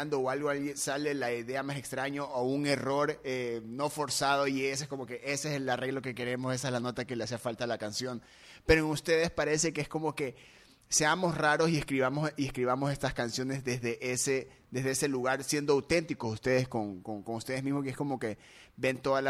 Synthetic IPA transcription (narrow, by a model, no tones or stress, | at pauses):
and̪o̞oalɣoalensale̞laiðe̞amase̞kst̪ɾaɲoʔauŋe̞ro̞ɾeno̞fo̞ɾsaðo̞ies̬oesko̞mo̞ke̞ʔeseeslare̞ɣloke̞ke̞ɾe̞mo̞se̞saezlano̞t̪ake̞leas̬eafalt̪alakansjo̞n | pe̞ɾoenust̪e̞ðe̞spaɾe̞se̞keesko̞mo̞ke̞ | se̞amo̞sraɾo̞sie̞skɾiβamosie̞skɾiβamo̞se̞st̪askansjo̞ne̞zðe̞zðe̞ʔese | ðe̞zðeese̞luɣaɾsje̞nd̪oawt̪e̞nt̪iko̞sust̪e̞ðe̞sko̞ŋkoŋko̞ŋust̪e̞ð̞e̞zmizmo̞kee̞sko̞mo̞ke | be̞nt̪o̞ðala